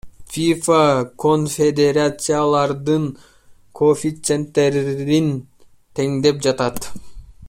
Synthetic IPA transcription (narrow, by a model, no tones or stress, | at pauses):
fʲifakʰonfʲed̪ʲeɾat̪sɨjalˠɑɾd̪ɯŋ | kʰofʲit̪sent̪ːe̞ɾin | t̪ʰe̞ŋd̪e̞p̚d͡ʒɑt̪ɑt̪